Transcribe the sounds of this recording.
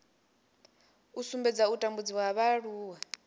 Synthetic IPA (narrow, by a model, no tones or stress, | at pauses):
usumbɛd͡zautʼambud͡ziwaɦaβaɺuːwa